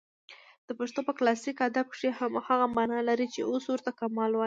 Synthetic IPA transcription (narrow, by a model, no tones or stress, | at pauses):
d̪̥əpaʂt̪opəklɑsikad̪ab̚kʂehamhaɣamanɑlaɾit͡ʃḛʔoswəɾt̪akamɑlwai